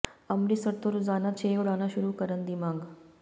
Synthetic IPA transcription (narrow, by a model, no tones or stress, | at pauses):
əmɾisəɾt̪oɾud͡zanat͡ɕʰeuɽanaɕuɾuːkəɾənd̪imãŋɡ